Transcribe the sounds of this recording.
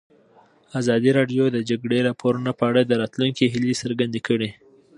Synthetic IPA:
azɑd̪iɾɑɖjod̪əd͡ʒaɡɽeɾɑpʰoɾunopəaɽad̪əɾɑt̪luŋkiɦilesəɾɡand̪ekəɽi

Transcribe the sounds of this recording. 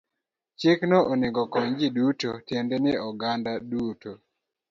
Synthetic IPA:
t͡ʃeknɔʔɔnɪɡɔkɔɲd͡ʒidutotjendɛnɪɔɡandaduto

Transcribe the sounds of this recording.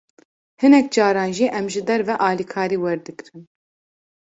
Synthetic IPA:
hɨnɛk̚d͡ʒɑːɾɑːnʒiʔɛmʒɨd̪ɛɾvɛʔɑːlikʰɑːɾiːwɛɾd̪ɨkɾɨn

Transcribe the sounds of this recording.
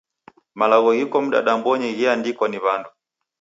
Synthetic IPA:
malaɣɔɣikɔm̩ɗa̰ɗambɔɲɛɣiandikwaniβandu

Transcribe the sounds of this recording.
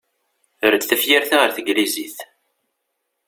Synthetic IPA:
ʊɾət͡sːθæfjiɾθaʁəɾθəɡliziθ

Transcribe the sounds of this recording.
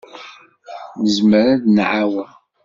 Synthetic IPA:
nəzməɾæðnʕawən

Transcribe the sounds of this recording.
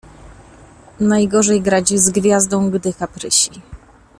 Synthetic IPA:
najɡɔʐɛjɡɾad͡ʑizɡvʲjazd̪ɔ̃w̃ɡd̪ɘkapɾɘɕi

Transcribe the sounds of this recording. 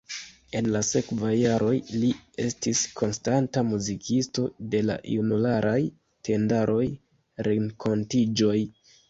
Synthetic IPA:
e̞nlase̞kvajːaɾo̞jlie̞stiskʰo̞nstantamuzikʰisto̞de̞la̰junulaɾʔaj | tʰe̞ndaɾʔo̞j | ɾeŋkʰo̞ntid͡ʒo̞j

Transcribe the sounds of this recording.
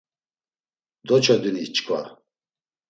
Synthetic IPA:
d̪ɔt͡ʃʰad̪unit͡ʃkʰva̰

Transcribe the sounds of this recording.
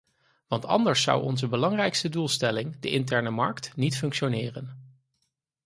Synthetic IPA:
ʋɑntɑ̰ndəɹsːʌ̰wɔ̰nzəbəlɑŋrɛjkstədulˠstɛlɪŋdə̰ʔɪntɛɹnəmɑɹktnitfɵŋkʃonɪːrən

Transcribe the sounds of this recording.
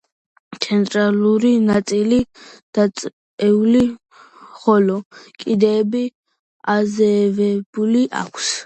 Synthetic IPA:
t̪sʰɛnt̪ʼɾaluɾinat̪sʼilid̪̥asʼ | ɛuli | χɔlɔkʼid̪ɛːbi | azɛvɛb̥uliʔa̰kʷʰs

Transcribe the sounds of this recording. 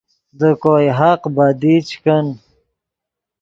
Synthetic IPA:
d̪əkoːjɦaqbad̪it͡ʃkɐn

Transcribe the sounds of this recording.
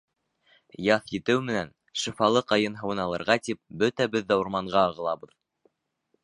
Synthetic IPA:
jɑθjɘ̆t̪ɘwmɘ̆næn | ʃɤ̆fɑlˠɤqɑjɤnɦɤ̆wɤ̆nɑlˠɤ̆ɾʁɑt̪ip̚bɵt̪æbɘðːɑwɤ̆ɾmɑɴɢɑːʁɤ̆lˠɑbɤ̆ð

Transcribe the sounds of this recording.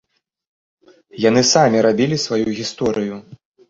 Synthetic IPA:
janɨsamʲiɾabʲilʲisvajuɣʲist̪ɔɾɨju

